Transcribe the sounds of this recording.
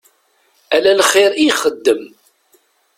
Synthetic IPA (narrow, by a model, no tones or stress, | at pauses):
ælælχiɾijχəd̪ːəm